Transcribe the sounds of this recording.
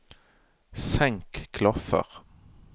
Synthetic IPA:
sɛŋkkʰːlɔfə̰ʁ

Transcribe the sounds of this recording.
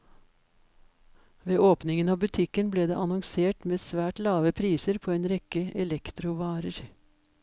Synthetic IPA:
ʋeːʔoːpnɪŋənɑːbʉt̪ʰɪkənbleːd̪ḛːʔɑnɔŋseːʈmeːsʋæːʈlɑːʋəpʰɾiːsəɾpʰoːeːnɾɛkəɛlɛkt̪ɾʊʋɑːɾəɾ

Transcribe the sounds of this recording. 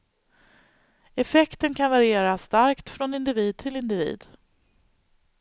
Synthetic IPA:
ɛfɛkt̪ənkʰanvaɾɪeːɾast̪aɾkt̪fɾɔnɪnd̪ɪviːd̪̚t̪ʰɪlɪnd̪ɪvḭːd̪

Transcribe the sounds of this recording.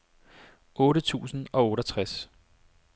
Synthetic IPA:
ɔ̽ːɾət͡sʰṵːsn̩ɒ̽ɔ̽ːɾɐt͡sʰʁas

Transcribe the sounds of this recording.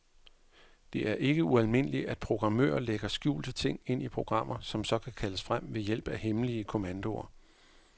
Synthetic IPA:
d̥e̝ʔæɐʔe̝ɡ̥əuælme̝n̰əliæd̥̚pʰʁo̝ɡ̥ʁɑ̈mø̰ːɐleɡ̥ɐsɡ̥jṵːlsət͡sʰe̝ŋ̰e̝n̰ipʰʁo̝ɡ̥ʁɑ̈m̰ʔɐsɒ̽msɒ̽kʰækʰæləsfʁam̰ʋe̝jel̰b̥æhemliəkʰo̝mænd̥o̝ɐ

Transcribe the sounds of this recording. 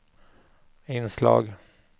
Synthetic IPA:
ɪnslɑ̰ːɡ

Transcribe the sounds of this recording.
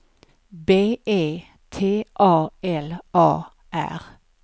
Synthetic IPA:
beːʔeː | t̪ʰeːʔɑːɛlʔɑː | ʔæ̰ʁ

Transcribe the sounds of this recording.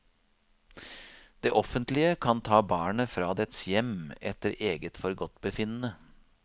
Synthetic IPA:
d̪̥eːʔɔfənt̪lɪəkʰɑnt̪ʰɑːbɑːɳəfɾɑːd̪ɛt̪sjɛmɛt̪əɾʔeːɡət̪fɔɾɡɔt̪bəfɪnənə

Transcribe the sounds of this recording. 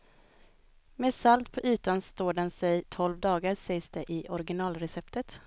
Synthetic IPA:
mesalt̪̚pʰɔʔy̟ːt̪anst̪oːɖɛnsɛjt̪ʰɔlvd̪ɑːɡaɾsɛjsd̪ɛʔɪʔɔɾɡɪnɑːlɾɛsɛpt̪ət̪

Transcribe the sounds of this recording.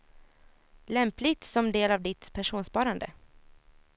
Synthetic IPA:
lɛmplɪɡt̪sɔmd̪eːlavd̪ɪt̪pʰæʂuːnspɑːɾand̪ə̰

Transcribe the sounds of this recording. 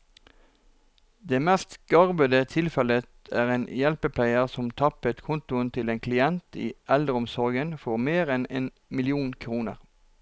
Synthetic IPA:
d̪eːmæːst̪ɡ̥ɑʁbəd̪ət̪ʰɪlfɛlət̪æːʁeːnjɛlpəpʰlæɪəʁsɔmt̪ʰɑpət̪kʰʊnt̪ʊənt̪ʰɪleːnkʰlɪɛnt̪ḭːʔɛld̪ʁəɔmsɔʁɡənfɔʁmeːʁɛnḛːn | mɪlɪuːnkʰʁuːnə̰ʁ

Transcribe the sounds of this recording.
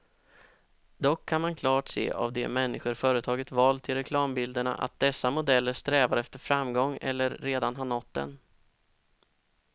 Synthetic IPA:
d̪ɔkʰːanmankʰlɑːʈsḛːʔa̰vd̪ɛmɛnːɪɧʊɾfœːɾət̪ʰɑːɡət̪vɑːlt̪ʰːɪlɾɛkʰlɑːmbɪld̪əɳa̰ʔa̰t̪̚d̪ɛsːamʊd̪ɛlːəɾʂt̪ɾɛːvaɾɛft̪əɾfɾamːɡɔŋːɛ̰lːəɾːeːd̪anɦaɳɔt̪ːd̪ɛ̰n

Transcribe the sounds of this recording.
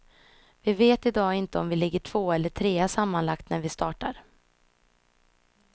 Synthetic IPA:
vɪveːt̪ɪd̪ɑːɪnt̪əɔmvɪlɪɡːəʈʰv̥oːɛlːəʈʰɾeːasamːanlakt̪næɾvɪst̪ɑːʈa̰ɾ

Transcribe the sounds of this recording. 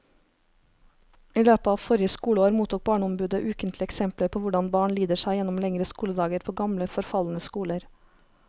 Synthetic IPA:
iːløːpəɑːʋfɔɾɪəskuːləoːɾmuːt̪uːk̚bɑːɳɔmbʉːd̪əʔʉːkənt̪ʰlɪəɛksɛmpləɾpʰoːʋʊɖɑnbɑːɳliːd̪əʃæɪjɛnɔmlɛŋɾəskuːləd̪ɑːɡəɾpʰoːɡɑmləfɔɾfɑlnəskuːləɾ

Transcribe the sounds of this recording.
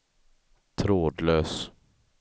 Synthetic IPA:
t̪ʰɾoːd̪løːs

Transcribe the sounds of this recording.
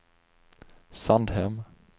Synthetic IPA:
sand̪hɛm

